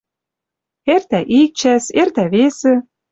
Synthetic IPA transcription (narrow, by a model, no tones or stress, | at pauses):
ert̪æʔik̚t͡ɕæsert̪æβesĕ